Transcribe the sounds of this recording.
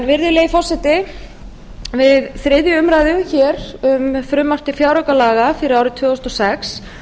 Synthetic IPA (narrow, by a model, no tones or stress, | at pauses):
nvɪɾðɪleːjfɔr̥sɛt̪ɪ | vɪðθɾɪðjʏʏmɾajðʏçɛːɾʏmfɾʏmːar̥t̪ɪfjawɾœkalaːɣafɪɾɪɾawɾɪt̪ʰvʏːɣʏst̪ɔsɛks